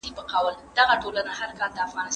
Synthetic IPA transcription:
ibəqawəld̪aɣaʈolanahaɾkɑld̪əafɣɑnɪs

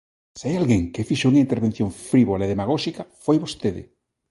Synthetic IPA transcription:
seajalɣeŋkefiʃouŋaint̪eɾβen̟θjõɱfɾiβolaeðemaɣ̞oʃikafojβost̪eðɪ̰

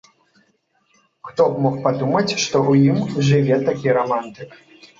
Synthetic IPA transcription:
xt̪ɔmɔxpad̪umɐt͡sʲʂt̪ɔʔujimʐɨvʲɛt̪akʲiɾamant̪ɨk

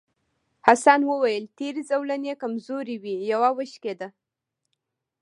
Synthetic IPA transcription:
hasɑnwəwajəlt̪eɾizawlanekamzoɾiwijawawəʃked̪a

